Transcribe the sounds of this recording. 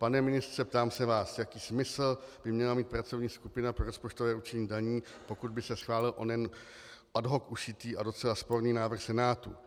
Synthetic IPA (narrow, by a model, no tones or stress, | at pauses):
panɛmɪnɪst̪rɛpt̪aːmsɛvaːsjakiːsmɪsl̩b̥ɪmɲɛlamiːt̪̚pɾat͡so̞vɲiːskupɪnapɾo̞ɾospo̞t͡ʃt̪o̞vɛːut͡ʃɛɲiːdaɲiː | pokud̪̚bɪsɛsxvaːlɪlʔo̰nɛn | ʔadɦo̞kuʃɪt̪iːʔado̞t͡sɛlaspo̞ɾniːnaːvr̩xsɛnaːt̪ṵ